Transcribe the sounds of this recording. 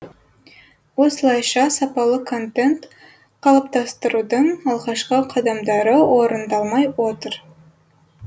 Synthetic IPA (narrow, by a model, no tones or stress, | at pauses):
wosəlˠɑjʃɑsɑpɑlˠəkʰo̞nt̪e̞nt̪ | qʰɑlˠəp̚t̪ɑst̪əɾud̪əɴɑlˠʁɑʃqəqʰɑd̪ɑmd̪ɑɾəwoɾənd̪ɑlˠmɑjwot̪əɾ